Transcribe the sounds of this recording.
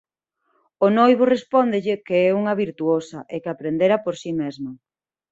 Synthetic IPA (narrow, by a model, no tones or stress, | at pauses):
onojβ̞orespɔnd̪ɪʎɪkeɛuŋɐβiɾt̪uosɐʔekapɾend̪eɾapoɾsimɛzmɐ